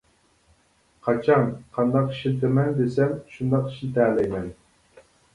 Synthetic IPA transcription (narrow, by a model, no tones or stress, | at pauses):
qʰɑt͡ʃʰɑnqʰɑnd̪ɑqi̥ʃt̪ʰemɛnd̪esɛmʃund̪ɑqi̥ʃnɪt̪ʰɛːlɛjmɛn